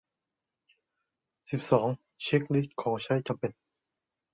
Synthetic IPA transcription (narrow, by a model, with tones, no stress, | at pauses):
si˨˩p̚sɔː˩˦ŋ | t͡ɕʰe˦˥k̚li˦˥˩t̚kʰɔː˩˦ŋt͡ɕʰa˦˥jt͡ɕa˨mpe˨˩n